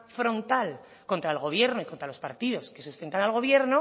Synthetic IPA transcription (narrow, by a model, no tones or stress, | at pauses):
fɾõ̞nt̪al | ko̞nt̪ɾaelɣ̞o̞β̞je̞ɾnoiko̞nt̪ɾalo̞spaɾt̪iðo̞ske̞sust̪e̞nt̪analɣ̞o̞βje̞ɾno